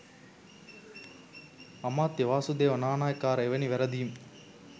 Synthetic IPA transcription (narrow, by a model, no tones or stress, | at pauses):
ɐmaːt̪ːeʋaːsud̪eːʋɐnaːnaːjkaːɾɐɛʋɐniʋɛɾɐd̪ijm